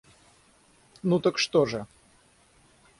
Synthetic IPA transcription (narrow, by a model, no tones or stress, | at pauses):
nut̪əkʂt̪oʐə